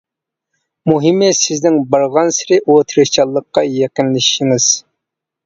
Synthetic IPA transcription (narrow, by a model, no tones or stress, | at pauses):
muɦɪmɨsɪznɪŋbɑɾʁɑnsɪɾɪʔot̪ʰɨɾɨt͡ʃʰɑlˠːəqːɑjeqɪnlɪʃːɪŋɨz̥